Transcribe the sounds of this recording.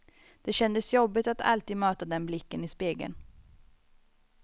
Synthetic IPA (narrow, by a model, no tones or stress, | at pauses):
d̪̥ɛɕɛnd̪əsjɔbːɪt̪at̪ʰa̰lt̪ʰiːd̪møːt̪ad̪ɛnblɪkːənɪspeːɡə̰n